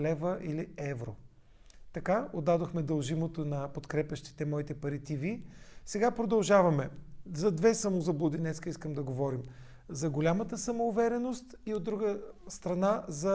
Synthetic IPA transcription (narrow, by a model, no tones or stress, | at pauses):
lɛvəʔiliɛvɾo̰ | t̪ɐkaod̪ːad̪oxmɛd̪ɐlˠʒimot̪onɐpot̪kɾɛpʲɐʃt̪i̥t̪ɛmɔit̪ɛpɐɾit̪ivisɛɡapɾod̪ɐlˠʒavɐmɛzɐd̪vɛsəmozɐblˠod̪inɛt̪skəiskəmd̪ɐɡovɔɾim | zɐɡolʲamət̪əsɐmoːvɛɾɛnost̪iod̪ɾuɡəst̪ɾɐnazɐ